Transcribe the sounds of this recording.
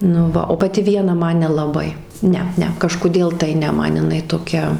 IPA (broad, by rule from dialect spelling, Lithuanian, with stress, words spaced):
nʊ ˈʋɐ oː pɐˈtʲɪ ˈʋʲiɛnɐ ˈmɐn nʲɛlˠɐˈbɐɪ ˈnʲɛ ˈnʲɛ kɐʃkʊˈdʲeːlˠ tɐɪ ˈnʲɛ ˈmɐn jɪˈnɐɪ toːˈkʲɛ